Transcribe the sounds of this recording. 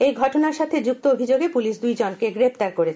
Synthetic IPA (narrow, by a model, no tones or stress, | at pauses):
ejɡʱɔʈonaɾʃat̪ʰed͡ʑuk̚t̪oobʱid͡ʑoɡepuliʃd̪ujd͡ʑonkeɡɾept̪aɾkoɾet͡ɕʰe